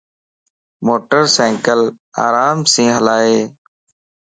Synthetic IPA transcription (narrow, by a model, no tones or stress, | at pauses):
moːʈəɾsãːŋkəla̰ːɾaːmsĩːɦəlaːɦeː